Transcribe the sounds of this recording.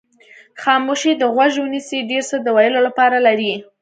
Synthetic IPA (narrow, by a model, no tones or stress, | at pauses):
xɑmoʃid̪əɣwaʒwənisiɖeɾsəd̪əwɑjəlolapɑɾalaɾi